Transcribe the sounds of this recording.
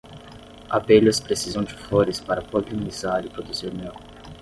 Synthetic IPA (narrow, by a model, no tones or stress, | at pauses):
abelʊspɾesizɐ̃w̃d͡ʒɪfoɾɪspaɾɐpoɡɾiunizaɾipɾod̪uziɾmew